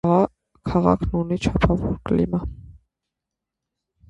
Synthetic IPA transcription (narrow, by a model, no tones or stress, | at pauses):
kʰɑʁɑ̰kʰnunit͡ʃʰɑpʰɑvɔɾklḭmɑ